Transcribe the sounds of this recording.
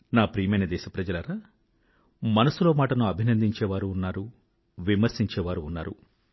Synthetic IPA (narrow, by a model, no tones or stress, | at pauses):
naːpɾiːjɐmɐjnɐd̪ɛːʃɐpɾɐd͡ʒɐlɐɾaː | mɐnɐsuloːmaːʈɐnuɐbʱinɐnd̪iɲt͡ʃɛːʋaːɾuːnːaːɾu | ʋimɐɾsiɲt͡ʃɛːʋaːɾuːnːa̰ːɾṵ